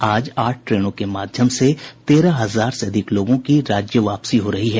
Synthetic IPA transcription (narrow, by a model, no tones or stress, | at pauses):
aːd͡ʒaːʈʰʈɾeːɽ̃õkemaːd̪ʱjəmset̪eːɾaɦɐzaːɾseɐd̪ʱɪkloːɡõkiɾaːd͡ʒjəʋaːpsiɦoɾɐɦiɦɛː